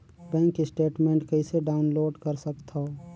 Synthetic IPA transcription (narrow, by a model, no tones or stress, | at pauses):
bɛ̃ːŋkːisʈeːʈmẽːɳʈkəɪseɖaːʊnloːɖkəɾsəkt̪ao